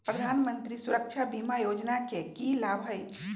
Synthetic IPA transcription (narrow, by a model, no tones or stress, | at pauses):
pɾəd̪ʱanmənt̪ɾisuɾəkt͡ʃʰabimajod͡ʒnakekilabɦəj